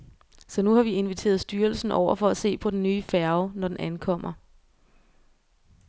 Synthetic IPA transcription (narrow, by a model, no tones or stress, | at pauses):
sɒ̽nuhɑ̈ʋie̝nʋit͡sʰe̝̰ːɐð̞̩ˠsd̥yːɐlsn̩ʔɒʊ̰ɐfɒ̽æse̝̰ːpʰɒ̽d̥ennyːfæɐʊnɒd̥enʔænkʰɒ̽m̰ɐ